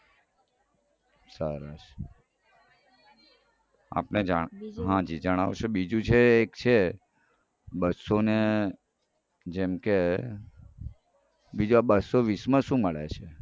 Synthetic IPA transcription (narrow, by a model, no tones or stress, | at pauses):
səɾaʃ | a̰pned͡ʒaɦãd͡ʒid͡ʒəɽ̃a̰ʋʃebid͡ʒũt͡ʃʰeːkt͡ʃʰe | bəsone | d͡ʒemke | bid͡ʒuabəsoʋismãʃũməɭḛt͡ʃʰe